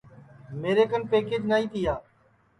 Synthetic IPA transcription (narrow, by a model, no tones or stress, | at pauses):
meːɾeːkənpeːkeːd͡ʒnaːiːt̪iːaː